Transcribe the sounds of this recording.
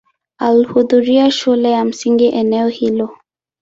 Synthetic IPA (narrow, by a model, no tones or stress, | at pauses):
alihuðuɾiaʃulɛjam̩siŋɡiʔɛnɛɔhilɔ